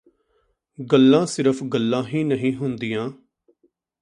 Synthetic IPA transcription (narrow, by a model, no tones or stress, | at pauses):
ɡəlːãːsɪɾəpʰɡəlːãːɦĩːnəɦĩːɦʊnd̪ijãː